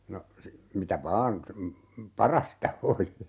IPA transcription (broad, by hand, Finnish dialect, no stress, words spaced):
no si mitæ ʋɑːn pɑrɑstɑ oli